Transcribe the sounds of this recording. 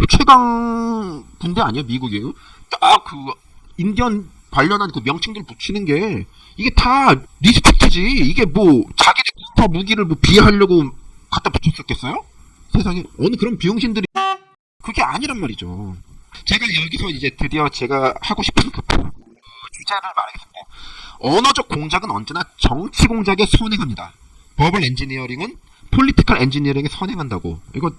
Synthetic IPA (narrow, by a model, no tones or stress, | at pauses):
put͡ɕʰwe̞ɡaŋ | pundeaɲijomiɡuɡeotakɯ | inɡjʌn | pwaʎːʌnɦankɯmjʌŋt͡ɕʰiŋdɯɾɭput͡ɕʰinɯnɡe̞ | iɡe̞taɾisʰɯ̥tʰek̚tʰed͡ʑiːɡe̞mwʌt͡ɕaɡideputʰʌmuɡiɾɯɭmwʌpieɦaʎːʌɡokat͈apu̥t͡ɕʰokʰʌk͈ʰe̞s͈ʌjo | sʰe̞sʰaŋiʌnɯkɯɾʌnpijoŋɕʰindɯɾine | kɯɾʌɡe̞aɲiɾʌnmaɾid͡ʑo | t͡ɕe̞ɡajʌɡisʰʌid͡ʑe̞tʰɯɾiʌt͡ɕe̞ɡahaɡoɕʰi̥pʰɯnɯnkɯpu | ud͡ʑaɾaɭma̰ɾaɡes͈ɯmɲidaʌnʌd͡ʑʌk̚k͈oŋd͡ʑaɡɯnʌnd͡ʑe̞nat͡ɕʌŋt͡ɕʰiɡoŋd͡ʑaɡe̞sʰonɦe̞ŋɦamɲida̰ | pʌbɯɾe̞nd͡ʑiniʌɾiŋɯn | pʰoʎːitʰi̥kʰaɾe̞nd͡ʑiniʌɾiŋesʰʌne̞ŋɦandaɡo̰iɡʌ